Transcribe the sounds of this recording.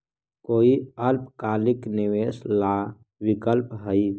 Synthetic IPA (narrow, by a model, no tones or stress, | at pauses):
koːiəɾpkaːlɪkniweːsla | wikəlpɦəi